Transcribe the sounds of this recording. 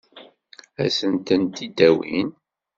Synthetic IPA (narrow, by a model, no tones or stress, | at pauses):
æsənt̪ənt̪id̪æwḭn